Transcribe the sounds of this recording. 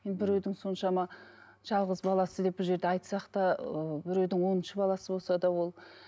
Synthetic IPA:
mebɪɾɵjd̪ɪŋso̞nʃɑmɑ | ʒ̥ɑlˠʁəzbɑlˠɑsəd̪e̞p̚bɪlʒe̞ɾd̪eɑjt̪sɑqt̪ɑəbɪɾɵjd̪ɪŋwo̞nənʃəbɑlˠɑsəbo̞lˠsɑd̪ɑwo̞lˠ

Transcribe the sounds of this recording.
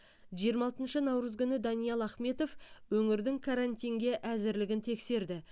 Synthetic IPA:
ʒijəɾmɑlˠt̪ənʃənɑwɾəzɡʲʏnɪd̪ɑnijɑlˠɑχme̞t̪o̞fwɵŋɪɾd̪ɪŋkʰaɾant̪ijŋɡʲe̞ʔæzɪɾlɪɡʲɪnt̪ʰe̞kse̞ɾd̪ɪ

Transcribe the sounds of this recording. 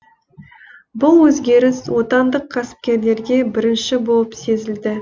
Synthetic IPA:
bʊlˠwɵzɡʲe̞ɾɪswo̞t̪ɑnd̪əqʰːæsɪ̥p̚kʲe̞ɾle̞ɾɡʲe̞bɪɾɪnʃɪbo̞lˠəpse̞zɪld̪ɪ

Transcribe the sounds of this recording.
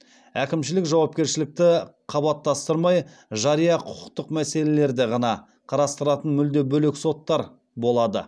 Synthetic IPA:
ækʲɪmʃɪlɪkʒɑwɑpkʲe̞ɾʃɪlɪk̚t̪ɪqʰɑbɑt̪ːɑst̪əɾmɑj | ʒɑɾijɑqʰʊ̥qəqt̪əqmæse̞le̞le̞ɾd̪e̞ʁɑnɑ | qʰɑɾɑst̪əɾɑt̪ənmʏld̪ebɵle̞kso̞t̪ːɑɾ | bo̞lˠɑd̪ə̰

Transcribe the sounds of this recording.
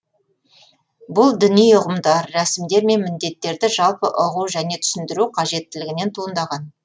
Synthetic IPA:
bʊlˠd̪ɪnijʊʁəmd̪ɑɾːæsɪmd̪e̞ɾme̞nmɪnd̪e̞t̪ːe̞ɾd̪ɪʒɑlˠpəʔʊʁuwʒæne̞t̪ʰʏ̥sɪnd̪ɪɾuqʰɑʒe̞t̪ːɪlɪɡʲɪne̞nt̪ʰuənd̪ɑʁɑn

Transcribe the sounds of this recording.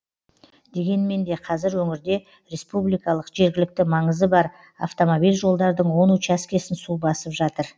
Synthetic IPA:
d̪̥e̞ɡʲe̞nme̞nd̪e̞qʰɑzɪɾwɵŋɪɾd̪e̞ | ɾe̞spublijkɑlˠəqʒe̞ɾɡʲɪlɪk̚t̪ɪmɑɴəzəbɑɾ | a̰ft̪o̞mo̞bijlʒo̞lˠd̪ɑɾd̪əɴwo̞nut͡ʃæskʲe̞sɪnsubɑsəpʒɑt̪əɾ

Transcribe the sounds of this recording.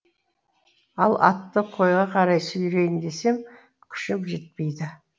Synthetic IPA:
ɑlˠɑ̰t̪ːəqʰo̞jʁɑqʰɑɾɑjsʏjɾe̞jɪnd̪e̞se̞m | kʲʰʏ̥ʃɪpʒe̞t̪̚pe̞jd̪ɪ

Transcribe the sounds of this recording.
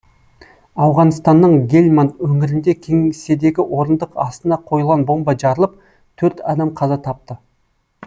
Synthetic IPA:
ɑwʁɑnst̪ɑnːəɴɡʲe̞lʲmant̪wɵŋɪɾɪnd̪e̞kʲʰe̞ŋse̞d̪e̞ɡʲɪʔwo̞ɾənd̪əqɑst̪ənɑqʰo̞jəlˠʁɑnbo̞mbɑʒɑɾəlˠəp̚ | t̪ʰɵɾt̪ɑd̪ɑmqʰɑzɑt̪ʰɑp̚t̪ə

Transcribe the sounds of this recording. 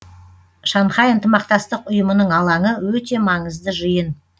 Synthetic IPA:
ʃɑnχɑjənt̪əmɑqt̪ɑst̪əqʊjəmənəɴɑlˠɑɴəwɵt̪e̞mɑɴəzd̪əʒəjən

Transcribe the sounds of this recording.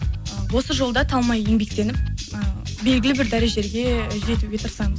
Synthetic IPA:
wo̞səʒo̞lˠd̪ɑt̪ʰɑlˠmɑje̞ŋbe̞k̚t̪e̞nɪp̚əbe̞lɡʲɪlɪbɪɾd̪æɾeʒe̞ɾɡʲe̞ʒe̞t̪ɪɡʲe̞t̪ʰəɾsɑɴəz

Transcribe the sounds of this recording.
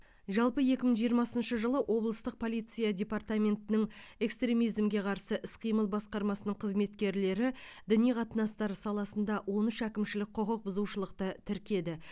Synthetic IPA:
ʒɑlˠpəje̞kʲɪməɴʒijəɾmɑsənʃəʒəlˠəʔo̞blˠəst̪əq̚pʰo̞lˠijt̪sɨjadʲe̞part̪amʲe̞nt̪ɪnɪŋe̞kst̪ɾʲe̞mijzmɡʲe̞qʰɑɾsəʔɪsqʰijməlˠbɑsqɑɾmɑsənəɴqʰəzme̞t̪kʲe̞ɾle̞ɾɪd̪ɪnijqʰɑt̪ənɑst̪ɑɾsɑlˠɑsənd̪ɑwʔo̞nʏʃækʲɪmʃɪlɪk̚ʲqʰʊqəq̚bʊzuʃəlˠəqt̪ət̪ʰɪɾkʲe̞d̪ɪ

